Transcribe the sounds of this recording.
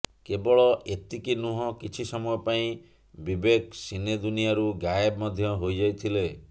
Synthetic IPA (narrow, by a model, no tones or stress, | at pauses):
kebɔɭɔʔet̪ikinuɦɔkit͡ʃʰisɔmɔjɔpaĩ | bibeksined̪unijaɾuɡajebmɔd̪ʱjɔɦojd͡ʒajt̪ʰile